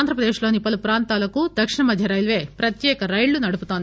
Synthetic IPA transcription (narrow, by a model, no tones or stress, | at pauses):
nd̪ʱɾɐpɾɐd̪eːʂlo̞ːnipɐlupɾaːnt̪aːlɐkud̪ɐkʂiɳɐmɐd̪ʱjɐɾɐjlʋe̞ːpɾɐt̪jɛːkɐɾɐjɭːunɐɽuput̪ond̪i